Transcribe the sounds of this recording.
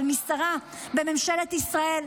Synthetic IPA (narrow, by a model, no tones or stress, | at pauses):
lmisaʁa | be̞me̞mʃelet̪isʁae̞l